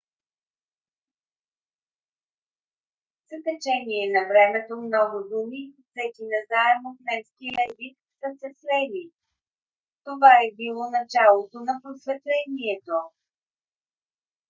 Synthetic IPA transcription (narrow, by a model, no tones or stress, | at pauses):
z̥əkɐt͡ʃɛniɛnɐvɾɛmɛt̪omnɔɡʊd̪umi | sɛt̪inɐzaɛmonɛskiəɛzik | səsɛslɛli | t̪ovaɛbilˠɔnɐt͡ʃalˠot̪onɐpɾosvɛt̪lɛniɛt̪o